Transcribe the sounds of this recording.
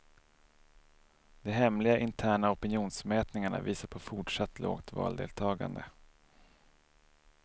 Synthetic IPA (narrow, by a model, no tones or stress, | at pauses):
d̪̥ɛɦɛmlɪɡaʔɪnt̪ʰæːɳaɔpɪnjuːnsmɛːt̪nɪŋaɳa̰viːsaɾpʰɔfʊʈʂat̪ːlo̰ːɡt̪vɑ̰ːld̪ḛːlt̪ʰɑːɡa̰nd̪ə